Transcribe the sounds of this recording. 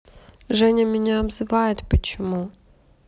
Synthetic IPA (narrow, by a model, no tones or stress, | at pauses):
ʒɛnʲɐmʲɪnʲaːbzɪʋɑjet̪ʲpɐt͡ʃɔmu